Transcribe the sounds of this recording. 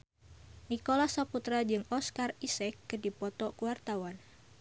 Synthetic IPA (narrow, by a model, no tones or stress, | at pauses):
nikolasaput̪ɾad͡ʒɨŋɔskarisɛkːɨdipɔt̪ɔkuwart̪awan